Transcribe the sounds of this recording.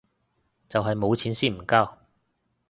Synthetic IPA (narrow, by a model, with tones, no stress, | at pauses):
t͡sɐ˨wɦɐ˨jmo˨˧wt͡sʰiː˨˥nsiː˥˩m̩˨˩ka˥w